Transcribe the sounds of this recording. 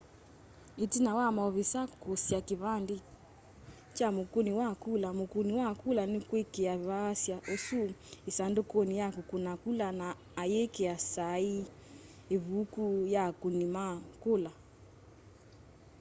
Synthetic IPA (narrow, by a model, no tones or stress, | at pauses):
itinawamaɔβisakosjakiβandi | t͡ʃamokoniwakulamokuniwakulanikwekeaβasjaʔosuisandokɔnijakukunakulanaː | jekeasai | eβukujakunimakola